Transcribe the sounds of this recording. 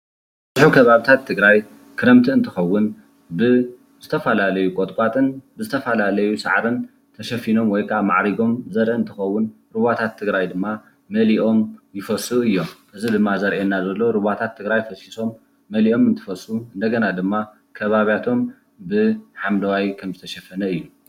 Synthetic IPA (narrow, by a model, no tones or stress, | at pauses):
zħukʰɐβaβit̪ʰat̪ʰːɨɡɾaj | kʰɨɾɐmt̪ʰɨɨnt̪ʰɨxɐwːʊn | bɨ | z̥ɨt̪ʰɐfɐlalɐjukʼot̪ʼkʼat̪ʼɨnbɨzɨt̪ʰɐfɐlalɐjusa̰ʕɾɨn | t̪ʰɐʃɐfino̞mwɔjkʰɐʔama̰ʕɾiɡo̞mzɐɾʔeɨnt̪ʰɨxɐwːʊn | ɾɨβat̪ʰat̪ʰːɨɡɾajd̪ɨmːa | mɐliʔo̞mjɪfɐsɨuɨjːo̞mʔɨzid̪ɨmːazɐɾʔenːazɐlːo̞ɾɨβat̪ʰat̪ʰːɨɡɾajfɐsiso̞mː | ɐliʔo̞mɨnt̪ʰɨ̥fɐsuɨnd̪ɐɡɐnad̪ɨmːa | kʰɐβaβjat̪ʰo̞m | bɨħamd̪ɐwajkʰɐmzɨt̪ʰɐʃɐfɐnɐɨjːu